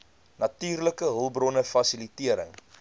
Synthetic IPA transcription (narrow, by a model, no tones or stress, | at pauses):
nɐtyːrləkəɦəlˠbrɔnəfɐsilitiəɾə̰ŋ